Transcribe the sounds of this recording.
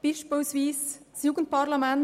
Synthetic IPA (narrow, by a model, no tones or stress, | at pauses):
b̥ɪʃpoʊsʋiːssjuːɡən̩t̚paɾlamɛn